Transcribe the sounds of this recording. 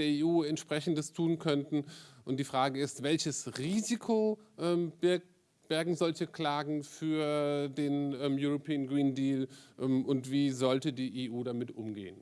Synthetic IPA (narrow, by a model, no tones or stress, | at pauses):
d̥eːɐeːʔuːɛntʃpʁ̥ɛçn̩dəstʰuːnkʰœntn̩ʔʊnt̚d̥iːfʁ̥aːɡəɪstv̥ɛlçəsʁiːzikʰoʔɛːmbɪ | b̥ɛɐɡŋ̩zɔlçəkl̥aːɡŋ̩fyːɐdeːnʔɛːmjuʁopʰiːənɡʁiːndiːlʔɛmʔʊntv̥iːzɔltədiːʔeːʔuːdamɪtʔʊmɡḛːən